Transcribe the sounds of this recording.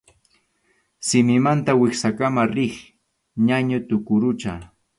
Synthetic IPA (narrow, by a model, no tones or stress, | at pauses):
sɪmɪmant̪awɪχsakamaɾɪχ | ɲaɲʊt̪ʊkʊɾʊt͡ʃa